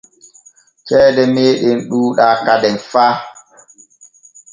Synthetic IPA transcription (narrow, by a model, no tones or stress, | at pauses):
t͡ʃɛːdɛmeːɗenɗuːɗakadɛnfaː